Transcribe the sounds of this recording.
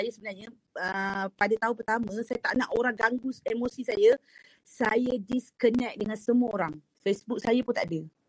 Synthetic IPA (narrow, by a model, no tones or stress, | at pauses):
sajasəbənarɲa | əpadat̪aũpərt̪amãsajat̪aʔnaʔoɾaŋɡaŋɡusemosisaja | sajadiskənɛk̚dəŋansəmuaoɾaŋ | fesbuk̚sajapunt̪a̰ʔadə